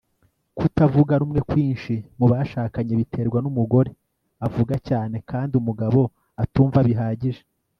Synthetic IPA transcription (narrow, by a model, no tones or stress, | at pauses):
kutavuɡaɾuːmŋe̞kwiːnʃimuβaʃaːkaɲeβitʰe̞ːɾɡwanumuɡo̞ɾe̞ | avuɡacaːne̞kaːndiumuɡaβo̞ | atuːɱvaβiɦaːɟiʒe